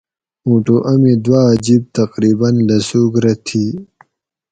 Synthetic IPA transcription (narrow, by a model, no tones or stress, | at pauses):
ũːʈoʔɐmid̪wad͡ʑib̚t̪ɐqɾiːbɐnlɐsuːɡɾɐt̪ʰi